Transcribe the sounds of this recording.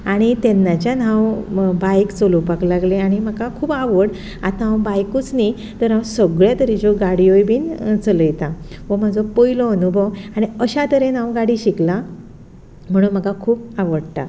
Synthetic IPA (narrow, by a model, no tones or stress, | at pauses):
aɽ̃it̪ɛnːat͡ɕjanãwbajkt͡solupaklaɡleaɽ̃im̤əkakʰuːbaʋəɽ | at̪aɦawbajkut͡sni | t̪əɾɦãwsəɡɭjat̪əɾid͡ʑoɡaɽiojbʱiːnt͡sələjt̪ãʋɔm̤ad͡zɔpojlɔənubʱəʋaɽ̃iəɕat̪əɾen̤ãwɡaɽiːɕikla | m̤əɽ̃uːnm̤əkakʰuːpaʋəɽt̪a̰